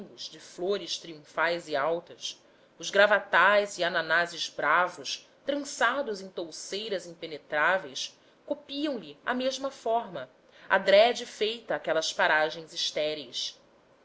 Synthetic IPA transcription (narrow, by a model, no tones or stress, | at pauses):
ʊzd͡ʒɪfloɾɪst̪ɾiũfajzɪawt̪ɐs | ʊzɡɾavat̪ajziananazɪzbɾavʊʃ | t̪ɾɐ̃sad̪ʊzẽj̃t̪owsejɾɐzĩpenet̪ɾavejs | kopiɐ̃w̃lɪa̰meʒmɐfɔɾmɐ | a̰d̪ɾɛd͡ʒɪfejt̪ɐːkɛlɐspaɾaʒẽj̃ziʃt̪ɛɾis